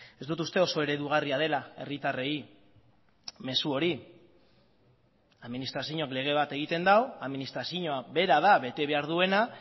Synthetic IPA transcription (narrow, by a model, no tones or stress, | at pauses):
e̞zd̪ut̪ust̪e̞o̞so̞e̞ɾe̞ðuɣ̞ariað̞e̞lae̞̰rit̪are̞i | me̞suo̞ɾi | aðminist̪ɾasiɲo̞kle̞ɣ̞e̞β̞at̪e̞ɣ̞it̪e̞nd̪awaðminist̪ɾasiɲoaβe̞ɾaðaβe̞t̪e̞βe̞aɾðue̞na